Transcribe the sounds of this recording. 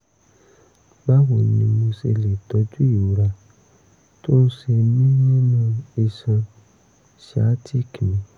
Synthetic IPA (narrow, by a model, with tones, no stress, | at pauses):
ba˦wo˨nĩĩ˧mo˧se˧le˨tɔ˨˦d͡ʒu˦i˦˨o˨˦ɾa˧˨ | to˦n̩˦ʃe˧mĩ˦nã˦nã˧i˧sã˧ | ʃa˨˦tʰi˦˨kĩ˨ĩ˨˦